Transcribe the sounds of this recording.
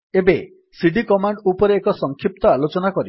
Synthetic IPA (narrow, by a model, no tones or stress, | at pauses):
ebe | siɖikɔmaɳɖupɔɾeːkɔsɔŋkʰip̚t̪ɔalot͡ʃɔnakɔɾi